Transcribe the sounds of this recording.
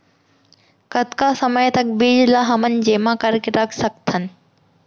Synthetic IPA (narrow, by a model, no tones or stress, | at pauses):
kət̪kasəməjt̪ɐk̚biːd͡ʒlaɦɐmən̆d͡ʑeːmãkɐɾkeɾɐkʰsək̚t̪ʰənɪ̆